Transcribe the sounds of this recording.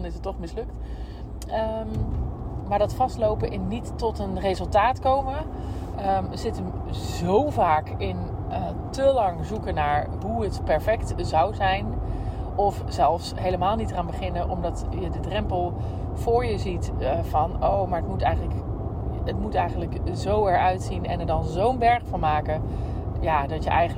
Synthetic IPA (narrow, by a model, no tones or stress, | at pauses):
nɪsətːɔχmɪslɵk̚t | əm | maːɹdɑtfɑstlowpəʔɪnnitːɔtənrejzɵlˠtaːtkowmə | əzɪtənzowvaːkɪn | təlɑŋzukənaːɹ | ɦuətpɛɹfɛktzʌwzɛjnʔɔfzɛlˠfsɦejləmaːlˠnitəraːnbəχɪnəʔɔmdɑtjədədrɛmpəlˠ | v̥ʊːɹjəzitvɑnowmaːɹətmutɛjχənlək | ətmutɛjχəntləkzowɛɹœɥtsinɛ̰nɛɹdɑnzownbɛɹχfɔnmaːkə | jaːdɑtjəʔɛj